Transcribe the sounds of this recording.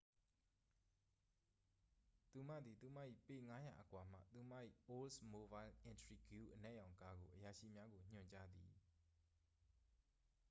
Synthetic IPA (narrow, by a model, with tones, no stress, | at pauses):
t̪u˨m̥ä̰˦˨d̪i˨t̪u˨ma̰˦˨ʔḭ˦˨pe˨ŋa˦ja̰˨ʔəkwa˨m̥ä̰˦˨t̪u˨m̥a̰˦˨ʔḭ˦˨ʔo˦lsmo˨ba˦ɪlʔɪ̃˨ntɹi˨ɡju˦˨ʔənɛ˦ʔjã˨ʊ̃ŋka˦ɡo˨ʔəja˨ʃḭ˦˨mja˦ɡo˨ɲ̥ʊ̰̃˨ɲt͡ɕa˦d̪ḭ˨